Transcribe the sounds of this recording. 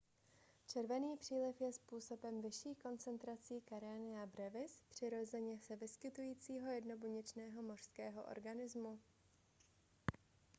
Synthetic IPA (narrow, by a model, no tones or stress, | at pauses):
t͡ʃɛɾvɛniːpr̝̥iːlɪfjɛspuːso̞bɛmvɪʃiːxko̞nt͡sɛnt̪ɾat͡siːkaɾɛnɪabɾɛvɪspr̥ɪɾo̞zɛɲɛsɛvɪskɪt̪ujiːt͡siːɦo̞jɛdno̞buɲɪt͡ʃnɛːɦo̞mo̞r̝̥skɛːɦo̞̰ʔo̰ɾɡanɪzmu